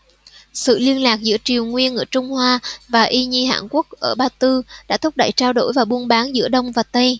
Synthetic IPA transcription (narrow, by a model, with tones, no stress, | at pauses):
sɨ̰˧˨li˧ənlaː˨˩k̚zɨ̰˧˥ət͡ɕi˨˩əwŋwi˧ənʔəː˧˩t͡ɕʊ˧ŋ͡mhwaː˧vaː˨˩ʔi˧ɲi˧ɦa̰ː˧˨nku˦˥ək̚ʔəː˧˩ɓaː˧t̪ɨ˧ɗa̰ː˧˥t̪ʰʊ˦˥k͡p̚ɗə̰˧˩jt͡ɕaː˧wɗo̰˧˩jvaː˨˩ɓu˧ənɓaː˨˦nzɨ̰˧˥əɗə˧wŋ͡mvaː˨˩t̪ə˧j